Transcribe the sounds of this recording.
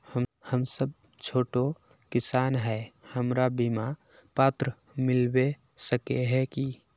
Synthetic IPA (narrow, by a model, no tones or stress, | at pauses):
həhəmsəb̚ | t͡ʃʰoːʈo | kɪsaːnɦɛhəmɾabima | paːt̪ɾə | mɪlbe | səkeɦɛki